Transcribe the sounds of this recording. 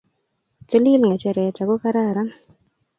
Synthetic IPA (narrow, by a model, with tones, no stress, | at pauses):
t͡ʃe˦li˦lŋa˨t͡ʃɛ˧ɾɛ˨t͡ʃa˨ɡo˦ka˦ɾa˦˨ɾa˦n